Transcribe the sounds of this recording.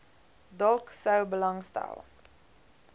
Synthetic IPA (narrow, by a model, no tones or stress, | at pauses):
dɔlˠksəwbəlɐŋstæ̰lˠ